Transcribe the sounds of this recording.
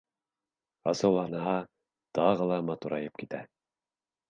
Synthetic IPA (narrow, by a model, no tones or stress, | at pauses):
ɑ̰sɤ̆wlˠɑnɤɦɑ | t̪ɑʁɤlˠɑmɑt̪uɾɑjɤp̚kit̪æ